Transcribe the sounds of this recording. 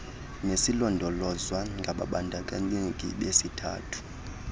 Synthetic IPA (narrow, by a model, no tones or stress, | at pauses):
nesilɔndʱɔlɔzwaŋɡʱaɓa̰ɓandʱakʼaɲiŋkʼḭɓesitʰa̰ːtʰu̥